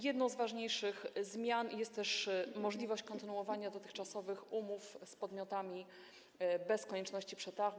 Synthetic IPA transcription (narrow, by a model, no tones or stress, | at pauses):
jɛd̪nɔ̃w̃zvaʐɲejʂɘxzmʲjanjɛst̪t̪ːɛʂmɔʐlʲivɔɕt͡ɕkɔnt̪ɘnuɔvaɲad̪ɔt̪ɘxt͡ʂasɔvɘxumufspɔd̪mʲɔt̪amʲi | bɛskɔɲɛt͡ʂnɔɕt͡ɕipʂɛt̪aɣ